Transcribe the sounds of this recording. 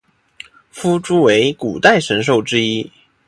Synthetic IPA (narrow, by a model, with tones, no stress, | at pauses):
fu˥ʈ͡ʂu˥we˧˥ɪku˨˩t̪a˥˩ɪʂə˧˥nʂ̬o˥˩ʊʈ͡ʂɻ̩˥i˥